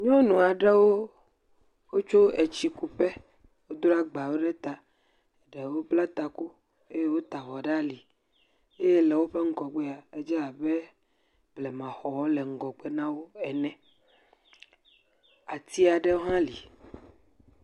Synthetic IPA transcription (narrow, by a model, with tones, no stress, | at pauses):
ɲɔ̃˦nũ˨a˨ɖe˦wo˦ | wo˦t͡ʃo˦e˨t͡ɕi˨ku˦ɸe˦ | wo˦d̪o˦a˦ɡ͡ba˨wo˦ɖe˦t̪a˨ | e˨ɖe˨wo˦bla˦t̪a˨ku˦ | e˦je˦wo˦t̪a˨ɣɔ˨ɖa˦li˨ | e˦je˦lɛ˨wo˦ɸe˦ŋ̩˦kɔ˨ɡ͡be˦a˨e˦d͡ʒɛ˦a˨be˦ | blɛ˨mã˨xɔ˨wɔ˦lɛ˨ŋ̩˨˦ɡɔ˨k͡pe˦nã˦wo˦ɛ˨nɛ̃˨ | a˨t̪i˦a˨ɖe˦wo˦ɦã˦li˨